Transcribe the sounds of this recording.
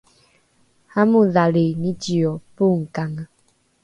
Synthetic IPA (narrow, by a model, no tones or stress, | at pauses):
hamũðalenĩt͡ʃiɔpuŋ̩kaŋa